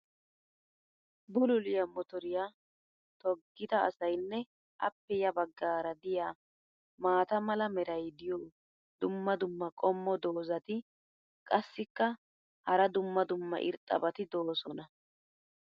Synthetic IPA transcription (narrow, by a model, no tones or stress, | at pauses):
bʊlʊlɪjɐmɔt̪ɔɾɪjaː | t̪ɔɡːɪt̪ɐ̰ːsɐjnːɛ | ʔɐ̰pːɛjɐbɐɡːaːɾɐd̪ɪjaː | maːt̪ɐmɐlɐmɛɾɐjd̪ɪjoː | d̪ʊmːɐd̪ʊmːɐkʼɔmːɔd̪o̞ːzɐt̪ɪ | kʼɐsːɪkːɐ | hɐɾɐd̪ʊmːɐd̪ʊmːɐ̰ʔɪ̰ɾt̪ʼɐ̰bɐt̪ɪd̪o̞ːsɔnɐ